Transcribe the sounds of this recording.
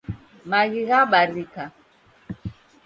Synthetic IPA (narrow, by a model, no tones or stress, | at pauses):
maɣiɣaɓaɾika